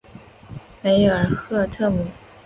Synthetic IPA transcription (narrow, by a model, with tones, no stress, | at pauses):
me˧˥ɪjo˨˩ə˧˥xɤ˥˧t̪ʰɤ˥˩mu˨˥˦